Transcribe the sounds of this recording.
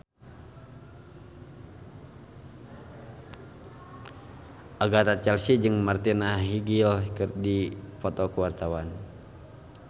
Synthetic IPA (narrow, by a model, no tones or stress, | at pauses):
ʔaɡat̪at͡ʃɛlsid͡ʒɨŋmart̪inaɦiɡilkɨrdipɔt̪ɔkəwart̪awan